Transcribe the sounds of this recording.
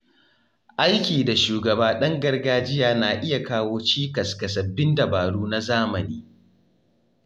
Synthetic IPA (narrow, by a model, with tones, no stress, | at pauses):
ʔa˦jkʲiː˨da˨ʃuː˨ɡɐ˨baː˦ɗɐ˦ŋɡɐ˦rɡaː˦d͡ʒɪ˦jaː˨naː˨ʔɪ˦ja˨kaː˦woː˦t͡ʃiː˦kɐ˨skɐ˨sɐ˨bɪ˦ndɐ˨baː˨ɽuː˦na˦zaː˦mɐ˨niː˦